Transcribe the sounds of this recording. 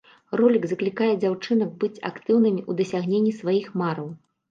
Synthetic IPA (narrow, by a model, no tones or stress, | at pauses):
rɔlʲiɡzɐklʲikajɛd͡zʲawt͡ʂɨn̪ɐɡ̚bɨt͡sʲa̰kt̪ɨwnɨmʲiʔud̪ɐsʲaɣnʲenʲːisvajixmaɾɐw